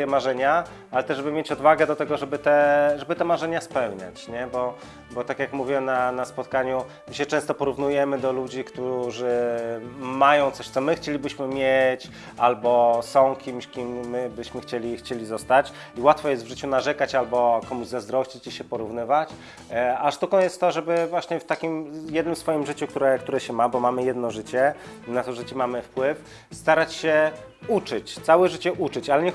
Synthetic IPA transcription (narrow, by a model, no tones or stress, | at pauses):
jɛmaʐɛɲa | alɛt̪ɛʐʐɛbɘmjet͡ɕɔd̪vaɡɛd̪ɔt̪ɛɡɔʐɛbɘt̪ɛʐɛbɘt̪ɛmaʐɛɲaspɛwɲa̰t͡ɕɲɛbɔ | bɔt̪akʲjakmuvʲiwɛmnanaspɔt̪̚kaɲu | ɕɛt͡ʂɛ̃ñst̪ɔpɔɾuvnujɛmɘd̪ɔlud͡ʑikt̪uʐɘ | majɔ̃w̃t̪sɔɕt̪sɔmɘxt͡ɕelʲibɘɕmɘmʲjet͡ɕ | albɔsɔ̃w̃kʲimɕkʲimːɘbɘɕmɘxt͡ɕelʲixt͡ɕelʲizɔst̪at͡ɕ | iwat̪fɔjɛst̪vʐɘt͡ɕunaʐɛkat͡ɕalbɔkɔmuʑzazd̪ɾɔɕt͡ɕit͡ɕiɕɛpɔɾuvnɘvat͡ɕ | aʂt̪ukɔ̃w̃jɛst̪ːɔʐɛbɘvwaɕɲɛft̪akʲimjɛd̪nɘmsfɔjimʐɘt͡ɕuk̚t̪uɾɛkt̪uɾɛɕɛmabɔmamɘjɛd̪nɔʐɘt͡ɕɛnat̪ɔʐɛt͡ɕimamɘfpwɘf | st̪aɾat͡ɕɕɛ | ut͡ʂɘt͡ɕt̪sawɛʐɘt͡ɕɛʔut͡ʂɘt͡ɕalɛɲɛ